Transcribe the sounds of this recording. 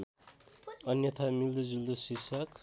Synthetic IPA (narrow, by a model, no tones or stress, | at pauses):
ʌnjʌt̪ʰamild̪ud͡zuld̪osisʰʌk